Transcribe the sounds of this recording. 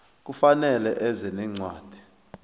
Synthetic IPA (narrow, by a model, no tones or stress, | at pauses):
k̬ufanɛlɛʔɛzɛnɛŋ͡ǀwaːd̥ʱi